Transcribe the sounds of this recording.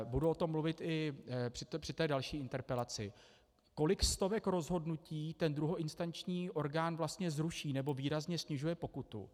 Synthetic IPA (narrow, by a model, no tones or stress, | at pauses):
buduot̪o̞mːluvɪt̪ɪpr̥ɪr̥ɪt̪ɛːdalʃiːɪnt̪ɛɾpɛlat͡sɪ̰ | ko̞lɪkst̪o̞vɛkɾo̞zɦo̞dnuciːt̪ɛnd̪ɾuɦoʔɪnst̪ant͡ʃɲiːʔo̞ɾɡaːnvlast̪ɲɛzɾuʃiːnɛbo̞viːɾazɲɛsɲɪʒujɛpo̞kut̪ṵ